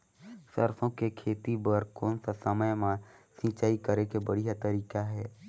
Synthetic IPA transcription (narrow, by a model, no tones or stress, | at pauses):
sə̰ɾsõkekʰeːt̪ibəɾkɔːnsasəməjmãsĩːt͡ʃaːikəɾekebəɽ̤ijat̪əɾiːkaɦɛː